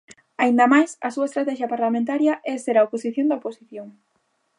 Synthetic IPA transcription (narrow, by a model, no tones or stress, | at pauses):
aind̪ɐmajsɐsuɐest̪ɾat̪ɛʃjɐpaɾlamẽnt̪aɾjɐʔɛseɾaoposiθjond̪ɐoposiθjoŋ